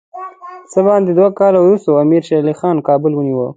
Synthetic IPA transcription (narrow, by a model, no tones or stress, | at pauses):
səbɑnd̪ed̪wakɑlawɾust̪oamiɾʃalixɑnkɑːbʊlwəniwə̰